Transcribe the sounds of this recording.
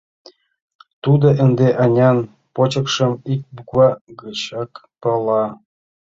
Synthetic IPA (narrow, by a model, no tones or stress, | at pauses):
t̪ud̪ɤ̆ʔɘ̆nd̪eʔɑnʲɑn | pot͡ɕɤ̆kʂɤ̆mik̚buɡɑɡɤt͡ɕɑk | pɤ̆lˠɑ